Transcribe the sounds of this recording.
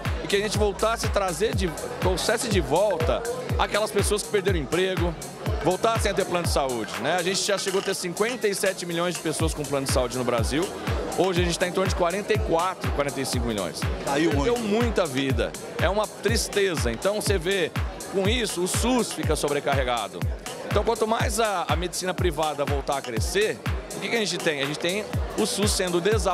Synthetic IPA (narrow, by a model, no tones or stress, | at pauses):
ɪkɪɐʒẽnt͡ʃɪvowt̪asɪt̪ɾazeɾd͡ʒɪt̪ɾosɛsɪd͡ʒɪvɔwt̪ɐa̰kɛlɐspesoɐskɪ̥peɾd̪eɾɐ̃ĩmpɾeɡʊ | vowt̪asẽj̃at̪̬eɾplɐ̃nʊd͡ʒɪsaud͡ʒɪnɛaʒẽnt͡ʃɪʒaʃeɡoɐt̪eɾsĩkwẽnt̪ɐisɛt͡ʃɪmiʎõj̃zd͡ʒɪpesoɐskõplɐ̃nʊd͡ʒɪsaud͡ʒɪnʊbɾaziw | oʒɪɐʒẽt͡ʃɪt̪aẽt̪õnʊd͡ʒɪkwaɾẽnt̪ejkwat̪ɾʊkwaɾẽnt̪ejsĩkʊmilʎõ̰j̃saiewmũj̃t̪ʊɐvid̪ɐ̰ | ɛ̰ũmɐt̪ɾist̪ezɐḛ̃nt̪ɐ̃w̃seve | kõisʊːsusfikɐsobɾekaɦeɡa̰d̪ʊ̰eẽt̪ɐ̃w̃kwɐ̃nt̪ʊmajzɐɐmed͡ʒɪsĩnɐpɾivad̪ɐvowt̪aɾɐkɾeseɾʊkɪkɪɐʒẽnt͡ʃɪt̪ẽj̃ɐʒẽnt͡ʃɪ̥t̪ẽj̃ʊsusːẽnd̪ʊd̪eza